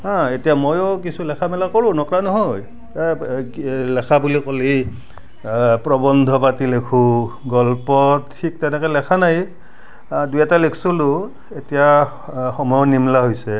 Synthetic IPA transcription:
ɦãetijamojɔkisulɛkʰamɛlakoɹʊ̃nɔkɹanɔɦɔj | lɛkʰabulikoli | pɹɔbɔndʱɔpatilekʰũɡɔlpɔtʰːik̚tɛnɛkɛlɛkʰanaj | dujɛtalekʰsolʊ | etija | xɔmɔjɔnimlaɦojsɛ

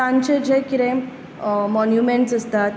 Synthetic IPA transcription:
ãɲt͡ɕed͡ʑekiɾẽ | mɔnjumeɳʈsəst̪at̪

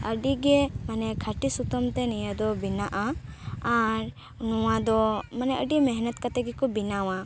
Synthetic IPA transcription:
əɖiɡɛmanɛkʰaʈisut̪ɔmt̪ɛnijəd̪ɔbinaʔaː | ɾ | nɔwad̪ɔmanɛəɖimɛɦnət̪kat̪ɛɡɛkɔbinawa

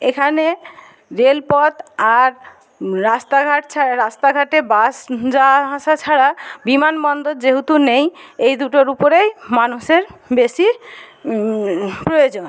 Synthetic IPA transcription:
ekʰane | ɾelpɔt̪aɾ | ɾast̪aɡʱaʈt͡ɕʰaɾast̪aɡʱaʈebasd͡ʑaɦaʃat͡ɕʰaɾabimanbɔnd̪od͡ʑeɦut̪unejejd̪uʈoɾupoɾejmanuʃeɾbeʃi | pɾojod͡ʑon

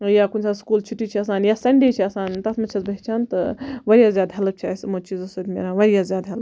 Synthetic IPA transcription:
jaːkunʲsaskuːlt͡ʃʰuʈːit͡ʃʰiɐsaːnjasɐɳɖeːt͡ʃʰiɐsaːnt̪ɐsmɐt͡ʃʰɐzbɐɦt͡ʃʰaːnt̪ɨʋɐɾijaːzjaːd̪ɦɐlɐb̚t͡ʃʰasmot͡ʃizɐsot̪ʲmḛːɾaʋɐɾjazjaːd̪ɦɐlɐ

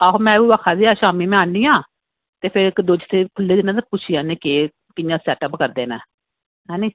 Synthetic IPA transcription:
aːɦoːmɛ̃ːuːʋaːkʰːaːziːaːʃaːmiːmɛ̃ːaːniːãː | t̪eːpʰɪɾɪkd̪oːd͡ʒt̪ʰeːkʰʊlːeːd̪ɪnãːt̪apʊt͡ʃʰiːãːneːkeː | kɪjãːsɛːʈəpkəɾd̪eːnɛ̰̃ː | ɦɛːniː

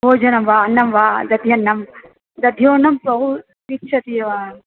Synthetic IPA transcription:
boːd͡ʒɐnɐmʋaːɐnːɐmʋaːd̪ɐd̪ʱijɐnːɐm | d̪ɐd̪ʱjoːnɐmpɾɐɦu | ikʃʰɐt̪ijɐʋaː

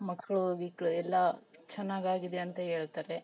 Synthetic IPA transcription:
mɐkːɐɭuʋiːkɭuɛlːɐt͡ʃɛnːaːɡaːɡid̪e̞ɐnt̪ɐɦe̞ːɭt̪aːɾe

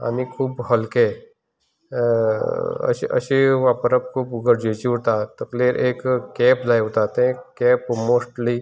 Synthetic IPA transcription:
a̰ːnikʰuːbɦɐlke | ɐ̰ɐ̰ʃeʋaːpəɾɐb̚kʰuːbɡəɾd͡ʒet͡ʃiut̪at̪ɐkleɾʔeːkːɛːplaːjʊt̪aːt̪eɦẽkɛːpmoːsʈli

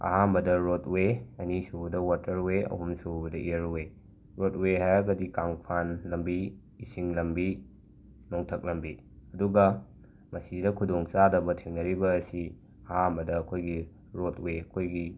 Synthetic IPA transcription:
ɐ̰ɦambɐdɐɾotweɐnisubɐdɐwatʰɐɾuweɐ̰ɦumsubɐdɐʔijɐɾuwe | ɾot̚weɦajɐɡɐdikaŋpʰanlɐmbiː | siŋlɐmbi | noŋtʰɐk̚lɐmbi | ɐduɡɐ | mɐsidɐkʰudoŋt͡ʃadɐbɐtʰiŋnɐɾibɐːsi | ɐhambɐdɐːkʰojɡi | ɾotweɐkʰojɡi

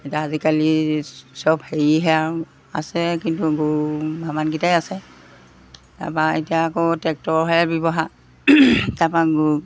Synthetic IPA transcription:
etiaazikalisɔbheɹiɦɛaɹ | a̰sɛkintuɡubʱamanɡitajasɛ | ta̰paetijaːkɔtɛk̚tɔɹɦɛabɔbɔɦa | tapaɡ

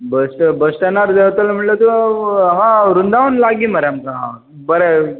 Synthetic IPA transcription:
bəsʈəbəsʈanaɾd͡zət̪alm̤əɳlat̪uɦãɾund̪aənlaɡiməɾamkaɦã̰ | bəɾe

